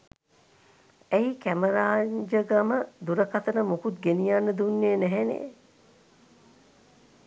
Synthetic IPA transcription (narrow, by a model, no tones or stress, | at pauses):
æɦikæməɾaːɲd͡ʒəɡaməd̪uɾəkat̪ənəmukut̪̚ɡenijanːəd̪unːeːnæɦenḛː